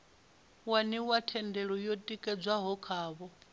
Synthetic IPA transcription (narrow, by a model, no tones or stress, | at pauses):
waniwatʰɛndɛɺɔjotʼikʼɛd͡zwaɦɔkʰaːβɔ